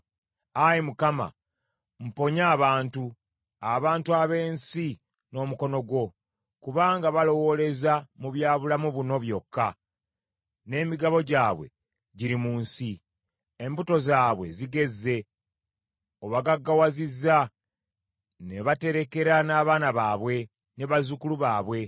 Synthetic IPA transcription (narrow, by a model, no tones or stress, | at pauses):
ajimukama̰ | m̩po̞ɲaːβaːntu | aβaːntuaβe̞ːnsi | no̞ːmuko̞no̞ɡwo̞ | kuβaːŋɡaβalo̞wo̞le̞zamuβjaːβulamuβuno̞βjo̞kːa | ne̞ːmiɡaβo̞ɟaːβwe̞̰ | ɟiɾimuːnsi | embuto̞zaːβwe̞̰ziɡe̞zːe̞ | oβaɡaɡːawaziza | ne̞βate̞ɾe̞ke̞ɾanaːβaːnaβaːβwe̞ | ne̞βazukuluβaːβwe̞